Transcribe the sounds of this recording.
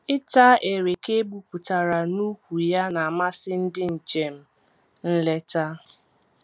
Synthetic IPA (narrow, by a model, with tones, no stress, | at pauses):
ɪ˦ta˦ʔe˨ɾe˨ke˦bu˦kʷu˨ta˨ɾa˨nu˦kʷu˨ja˦na˨a˨ma˦sɪ˦n̩˦dɪ˦n̩˨t͡ʃe˨m̩˦ | n̩˦le˦ta˦